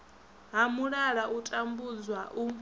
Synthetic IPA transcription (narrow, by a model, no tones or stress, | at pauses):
ɦamuɺaɺaʔutʼambud͡zwaʔu